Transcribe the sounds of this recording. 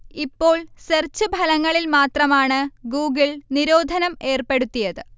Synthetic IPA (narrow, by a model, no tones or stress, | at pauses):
ipːo̞ːɭsert͡ɕːubʱɐlɐŋːɐɭilmaːt̪rɐmaːɳɨɡuːɡiɭniɾoːd̪ʱɐnɐme̞ːrpe̞ɽut̪ːijɐðɨ